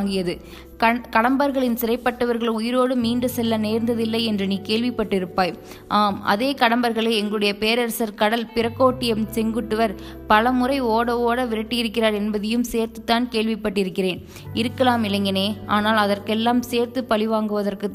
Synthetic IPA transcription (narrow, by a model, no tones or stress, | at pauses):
ŋɡɪjɐðɯ | kɐkɐɽɐmbɐɾɣɐɭɪnsɪrɐɪpːɐʈːɐʋɐɾɣɐɭʊjɪɾoːɽɯmiːnɖɯsɛlːɐneːɾnd̪ɐðɪlːɐɪɛndrɯniːkeːlʋɪpːɐʈːɪɾɯpːaːj | ʔaːmɐ̰ðeːkɐɽɐmbɐɾɣɐɭɐɪɛŋɡɐɭɯɽɐjɐpeːɾɐɾɐsɐɾkɐɽɐlpɪɾɐkːoːʈːɪjɐmsɛŋɡɯʈːɯʋɐɾ | pɐlɐmɯrɐɪoːɽɐʋoːɽɐʋɪɾɐʈːɪjɪɾɯkːɪraːɾɛnbɐðɐjɯmseːɾt̪ɯt̪ːaːnkeːɭʋɪpːɐʈːɪɾɯkːɪreːn | ɪɾɯkːɐlaːmɪlɐŋɡɐneːaːnaːlɐðɐrkɛlːaːmseːɾt̪ɯpɐlɪʋaːŋɡɯʋɐðɐrkɯ